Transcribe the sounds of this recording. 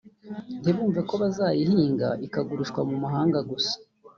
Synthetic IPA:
ntiβuːɱveko̞βazaːjihiːŋɡa̰ʔikaɡuɾuʃkwamumaɦaːŋɡaɡusḁ

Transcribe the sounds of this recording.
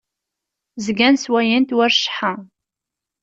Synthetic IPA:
zɡænswæjənt̪wæɾʃħa

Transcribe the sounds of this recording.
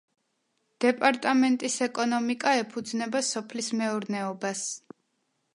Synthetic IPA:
d̪̥ɛpʼaɾt̪ʼamɛnt̪ʼisɛkʼɔnɔmikʼaɛpʰud̪znɛbasɔpʰlismɛuɾnɛɔbas

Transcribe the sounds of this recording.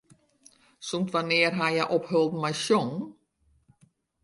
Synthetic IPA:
sɔmt̪vaneːɾɦajaʔɔphœlˠt̪majɕɔŋ

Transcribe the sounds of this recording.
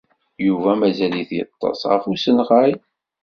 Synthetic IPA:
juvæmæzæliθjə̰t̪ˤːɑ̰sˤʁə̰fusənʁaj

